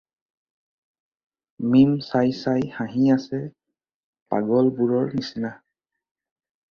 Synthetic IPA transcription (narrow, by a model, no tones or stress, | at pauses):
mimsajsajxãɦĩasɛ | pa̰ɡɔlbuɹɔɹnisina